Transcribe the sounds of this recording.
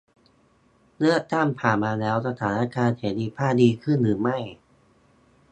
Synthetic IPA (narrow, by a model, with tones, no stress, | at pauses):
lɯ˥˩ək̚t̪a˥˩ŋpʰaː˨˩nmaː˧lɛː˦˥wsa˧t̪ʰaː˩˦na˦˥˩kaː˧nheː˩˦diː˧pʰaː˥˩diː˧kʰɯ˥˩nɾɯː˩˦ma˥˩j